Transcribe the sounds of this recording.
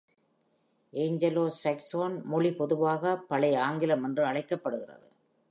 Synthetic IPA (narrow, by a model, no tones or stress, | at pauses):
ʔeːŋd͡ʒɐloːsɐksoːnmʊɭipɔðɯʋaːɣɐpɐɭɐɪaːŋɡɪlɐmɛndrɯɐɭɐɪkːɐpːɐɽɯɣɪrɐ̰ðɯ